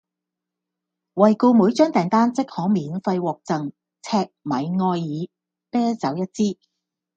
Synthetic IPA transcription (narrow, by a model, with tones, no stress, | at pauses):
wɐ˨˩jko˧muː˨˥jt͡ʃœː˥ŋt̪ɛː˨˩ŋt̪aː˥nt͡sɪ˥k̚hɔː˨˥miː˨˧nfɐ˧jwɔː˨k̚t͡sɐ˨ŋ | t͡sʰɛː˧k̚mɐ̰˨˥jŋɔː˧jːiː˨˧ | pɛː˥t͡sɐ˨˥wjɐ˥t̚t͡siː˥